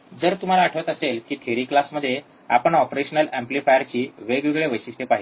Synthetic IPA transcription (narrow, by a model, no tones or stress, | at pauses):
d͡zəɾt̪um̤alaːʈʰʋət̪əselkiːt̪ʰeɾiːklasməd̪ʱːje | a̰pəɳɔpɾeɕənəlæmplifajəɾt͡ɕiːʋeɡʋeɡɭeʋəjɕist̪ʰepaɦi